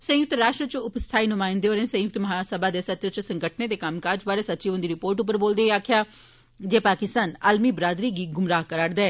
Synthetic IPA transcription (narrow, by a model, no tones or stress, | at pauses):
sə̃jʊk̚t̪ɾaːʂʈɾət͡ʃʊpst̪ʰaːinʊmãːɪ̃nd̪eoːɾẽːsə̃jʊk̚t̪məɦaːsəbaːd̪eːsət̪ɾət͡ʃsə̃ŋɡəʈʰneːd̪eːkəmkaːɾd͡ʒbaːɾeːsət̪ːt͡ʃiːʋʊnd̪iːɾɪpoːɾʈʊp̬ːəɾboːld̪eːaːkʰɪjaː | d͡ʒeːpaːkɪst̪aːnaːlmiːbɾaːd̪ɾiːɡiːɡʊmɾaːɦkəɾaːɽd̪aɛː